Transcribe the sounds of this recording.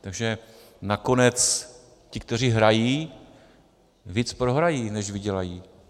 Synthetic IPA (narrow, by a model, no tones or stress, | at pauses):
t̪aɡʒɛ | nako̞nɛt͡s | cɪkt̪ɛr̝iːɦɾajiː | viːt͡spɾoɦɾajiːnɛʒvɪɟɛlajiː